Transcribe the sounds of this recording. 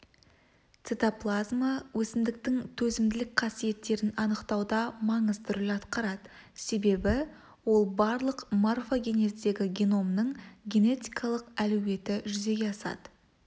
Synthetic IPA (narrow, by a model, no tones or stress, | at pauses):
t̪set̪aplˠazmawɵsɪmd̪ɪk̚t̪ɪŋt̪ʰɵzɪmd̪ɪlɪk̚qʰɑsije̞t̪ːe̞ɾɪnɑnəqt̪ɑwd̪ɑmɑɴəzt̪ʰʏɾɪlɑt̪qɑɾɑd̪ə | se̞be̞bɪ | wo̞lˠbɑɾlˠəqmarfoɡʲe̞ne̞zd̪e̞ɡʲɪɡʲeno̞mnəɴɡʲe̞ne̞t̪ijkʰɑlˠəqæluwe̞t̪ɪʒʏze̞ɡʲe̞ɑsɑ̰d̪̥ə̥